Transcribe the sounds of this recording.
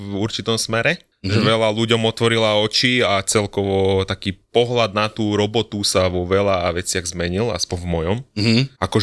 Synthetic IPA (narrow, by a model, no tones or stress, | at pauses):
uɾt͡ʃit̪ɔmsmɛɾɛ | ʒɛʋɛlaluɟɔmɔt̪ʋɔɾilaɔt͡ʃiat͡sɛlkɔʋɔt̪akiːpɔɦlad̪̚nat̪uːɾɔbɔt̪usaʋɔʋɛlaʋɛt͡sɪaɣzmɛɲila̰spɔɲvmɔjɔmakɔ